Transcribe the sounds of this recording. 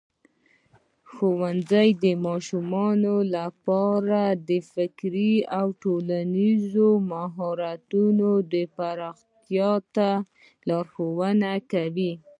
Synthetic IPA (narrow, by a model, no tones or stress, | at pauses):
xowanzajd̪əmɑʃumɑnolapɑɾad̪əfɪkɾiawʈolanizomaɦɑɾat̪unod̪əpaɾɑxt̪jɑt̪a | lɑɾxowənakawi